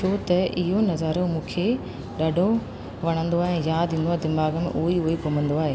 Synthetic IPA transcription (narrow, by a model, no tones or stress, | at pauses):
t͡ʃʰot̪ɐʔɪɦonɐzaːɾomũːkʰe | ɗɐɖʱo | ʋɐɽ̃ə̃nd̪oaːɦẽːjaːd̪ʱĩːn̆d̪aːɦed̪ɪmbaːɡəmḛ̃ʔuːiʊɦekomə̃nd̪oaːɦeː